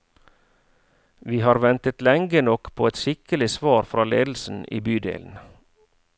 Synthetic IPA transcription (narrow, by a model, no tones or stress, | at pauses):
ʋiːhɑːɾʋɛnt̪ət̪lɛŋɡənɔkpʰoːɛt̪ʃɪkəlɪsʋɑːɾfɾɑːlḛːd̪l̩sn̩ʔḭːbyːd̪ḛːln̩